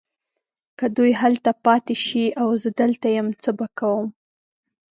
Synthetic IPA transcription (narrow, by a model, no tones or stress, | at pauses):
kad̪ujɦalt̪apɑt̪eʃiawzəd̪əlt̪ajəmt͡səbakawəm